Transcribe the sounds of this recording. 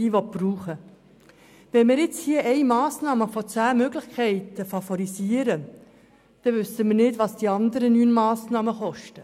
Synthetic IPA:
iːʋɔt̚b̥ɾuːχə | ʋɛnmɪːɾɪt͡shiːəʔɛɪmɑːsnɑːməfɔt͡sæːmøɡlɪxkʰɛɪtəfɑfɔɾisiːəɾə | d̪̥ɛʋʏsəmɪːɾnɪdʋɑsd̥iɑndəɾənyːnmɑːsnɑːməχɔʃtə

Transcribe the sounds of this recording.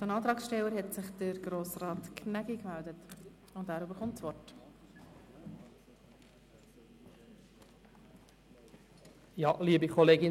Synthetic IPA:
d̥ənɑːtɾɑːksʃtɛlːəɾhɛtsɪχd̥əɾɡɾoːsrɑːtkʰnæɡikmældət | ʊndæːɾybəɾχʊmtsʋɔrt | jɑliːbikʰɔleːɡɪ

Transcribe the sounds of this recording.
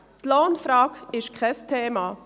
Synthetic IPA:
tlaːnfɾɑːkɪʃkʰɛstʰeːma

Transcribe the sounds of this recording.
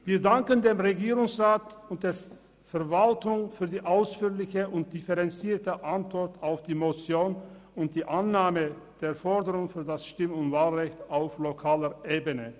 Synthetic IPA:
viːɐdaŋkəndeːmʁeɡiːʁʊŋsʁaːtʊnt̚d̥eːɐ | fɛɐvaltʊŋfyːɐdiːʔaʊsfyːɐlɪçəʔʊnt̚d̥ɪfəʁɛnt͡siːɐtəʔantv̥ɔɐtaʊfd̥iːmot͡sjoːn | ʊnt̚d̥iːʔanːaːmə | d̥eːɐfɔɐdəʁʊŋfyːɐdasʃtɪmʊntv̥aːlʁɛçtaʊflokʰaːləʔeːbənə

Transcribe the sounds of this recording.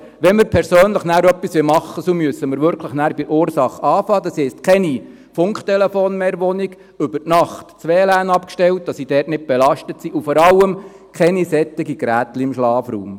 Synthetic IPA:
ʋɛnməɾpʰɛɾsøːnləχnæːɾœpːisʋɪlmɑχːəsomyəsəməɾʋʏɾkʰləχnæːɾb̥ɪʔʊːɾsɑχɑːfɑːd̥̪ɑsɛstkʰɛni | fʊŋkχt̪ɛlefoːnmɛːɾʋɔniɡ | ʏbərtnɑχtt͡sʋɛːlæːnɑpkʃtɛlt̚d̥ɑsid̥ɛːrtnɪt̚b̥ɛlɑʃtətsiʔufɔɾɑlːəm | kʰɛnisɛt̪ːɪɡiɡ̥ɾæːt̪liɪmʃlɑːfrṵːm

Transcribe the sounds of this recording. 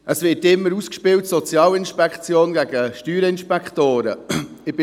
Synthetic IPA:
ʔəsvɪːtɪmːəɾuskʃpɪːltsɔt͡sjɑːlɪnʃpɛkt͡sjoːnɡæɡ̥əʃtyːɾəɪnʃpɛkχtoːɾə̰ɪb̥ɪ

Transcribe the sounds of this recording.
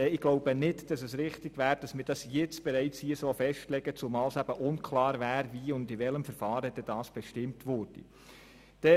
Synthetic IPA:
ɛɪɡ̥loʊb̥ənɪtd̥ɑsɛsɾɪχtɪɡ̥ʋæːɾd̥ɑsmɪːd̥ɑsjɛt͡sb̥ɛɾɛɪt͡shiəsɔlfɛʃtlɛɡ̥ət͡sʊmɑːlsæb̥əʔʊnkʰlɑːɾvæːɾviʊndɪʋɛləmfəɾfɑːɾəd̥ɛd̥ɑːsb̥ɛʃtɪmtʋʊɾd̥ḭ | d̥ɛ

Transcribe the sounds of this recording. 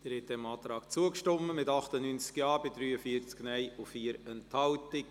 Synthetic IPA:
d̥əɾɛtdɛmɑːt̪ɾɑːk̚t͡suəkʃtɔməmɪtɑχt̪ənynt͡skjɑːbɪdɾyːəfiət͡sknɛɪʊfiːəɾɛnthɑltɪk

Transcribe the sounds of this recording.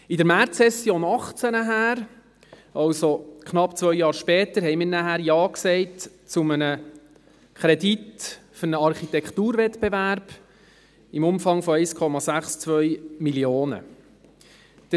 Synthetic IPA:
idəɾmæɾtsɛsːjoːnɑχt͡sənəɦæːɾ | ɑwsokχnɑpt͡sʋœʏjɑːɾʃpɛːt̪əɾɦɛɪmiːɾnæhæːɾjɑːksɛɪt | t͡sʊmənə | kʰɾɛditfʏɾnəɑɾχit̪ɛkχt̪uːɾvɛt̪bevæɾb̥ | imʊmfɑŋfɔɛɪskʰɔmɑsæχst͡sʋœʏmiljoːnə̰ | d̥

